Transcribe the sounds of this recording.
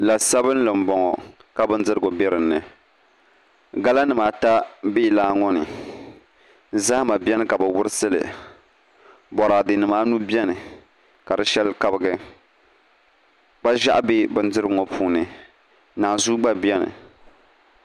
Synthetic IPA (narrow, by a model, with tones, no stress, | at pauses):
la˨sa˦bɨ˦n˦lɨ˨mbɔ˨ŋɔ˨ | ka˨bɨ˦n˦dɨ˦ɾɨ˦˨ɡɔ˨bɛ˦ɾɨ˨n̩ːɨ˨ | ɡa˦la˦nɨ˨maː˨ta˦be˦˨laː˦ŋɔ˦nɨ˨ | za˦hma˨bʲɛ˦nɨ˦ka˨bɨ˨wʊ˦ɾɨ˦sɨ˦lɨ̰˨ | bɔ˨ɾaː˨dɨ˨nɨ˨maː˦nu˦bɛ˦nɨ˨ | ka˨dɨ˦ʃɛ˦lka˦bɨ˦ɡɨ˨ | k͡pa˦ʒa̰˦ʔbe˦bɨ˦n˦dɨ˦ɾŋɔ˨pʰuː˦nɨ˨ | naː˨zu˦ɡ͡ba˦bi˦ɛ˦nɨ̰˨